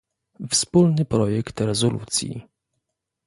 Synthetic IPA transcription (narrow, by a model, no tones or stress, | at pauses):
fspulnɘpɾɔjɛkt̪ɾɛzɔlṵt̪sʲjḭ